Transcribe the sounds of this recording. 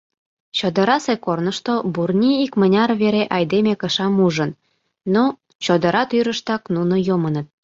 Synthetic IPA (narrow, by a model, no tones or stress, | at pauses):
t͡ɕod̪ə̆ɾɑsekornəʃt̪oburnʲiikmə̆nʲɑrβeɾeʔɑjd̪emekə̆ʃɑmuʒənː | o | t͡ɕod̪ə̆ɾɑt̪yɾəʃt̪ɑknunojomənət̪̚